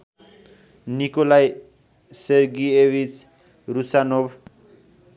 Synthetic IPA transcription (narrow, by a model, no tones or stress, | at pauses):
nikolaj | sʌrɡiebit͡s | rusanob